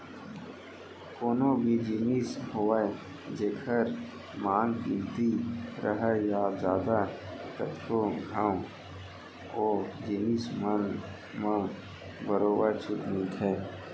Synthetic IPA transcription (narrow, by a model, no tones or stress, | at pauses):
koːnõbʱid͡ʒiːmiːshoːa | d͡ʒeːkʰəɾ | maːŋɡkilt̪iɾʔəɦəjad͡ʒjaːd̪ak̪ət̪ʰːoɡʱaːw | oːd͡ʒiːmismən | mã | bəɾoːbəɾt͡ʃʰʊt̪nĩt̪ʰɛː